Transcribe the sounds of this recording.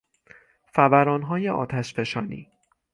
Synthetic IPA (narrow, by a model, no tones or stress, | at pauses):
fævæɾɒːnɦɒːjeʔɒ̰ːt̪ʰæʃfeʃɒːnḭː